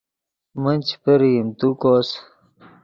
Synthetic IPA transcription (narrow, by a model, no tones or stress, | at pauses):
mənʲt͡ɕpəɾiimt̪ukos